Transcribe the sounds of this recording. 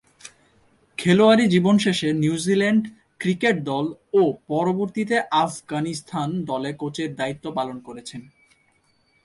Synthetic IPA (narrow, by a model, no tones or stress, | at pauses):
kʰeloaɾid͡ʑibonʃeʃenjuuzileɳɖ | kɾikeʈ̚d̪ɔlopɔɾoboɾt̪it̪eʔafɡanist̪ʰand̪ɔlekot͡ɕeɾd̪ait̪ːopalonkoɾet͡ɕʰen